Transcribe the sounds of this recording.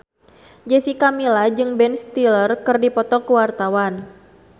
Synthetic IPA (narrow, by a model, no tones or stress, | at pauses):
d͡ʒɛsikamilad͡ʒɨŋbɛnst̪ilərkɨrdipɔt̪ɔkuwart̪awan